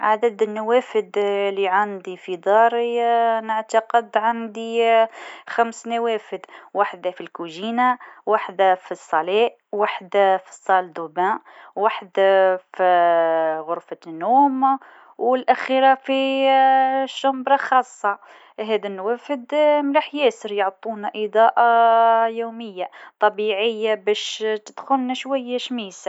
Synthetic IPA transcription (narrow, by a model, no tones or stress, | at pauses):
ʕad̪əd̪ənːawæfəd̪liʕand̪ifid̪ˤɑɾˤinəʕt̪ɑqəd̪ʕand̪i | xæmsnawæfəd̪waħd̪afilkuʒinawaħd̪afisˤːɑliʔ | waħd̪æfi̥sˤːɑld̪ubæ̃waħəd̪fi | ɣʊɾfanːuːm | wəlʔæxiɾafi | ʃʊmbɾˤɑxɑːsˤːɑ | ɦæd̪ænːwæfəd̪mlaħjæːsəɾjoʕt̪ˤːunaʔəd̪ˤɑːʔɑjuməjːat̪ˤɑbiʕəjːabæʃt̪əd̪xʊlnæʃwæjːaʃmiːsa